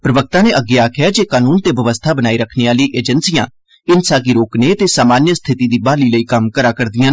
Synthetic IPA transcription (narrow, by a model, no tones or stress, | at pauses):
pɾəʋək̚t̪ãːneʔəɡːeaːkʰɪjaːd͡ʒeːkaːnuːnt̪eːbʱəʋəst̪ʰaːbənaːiːɾəkʰneːaːləiːʔeːd͡ʒənsijãː | ɪnsaːɡiɾoːkneːt̪eːsaːmaːnjəst̪ʰɪt̪iːd̪iːbaːliːləiːkəmkəɾaːkəɾd̪ɪjãː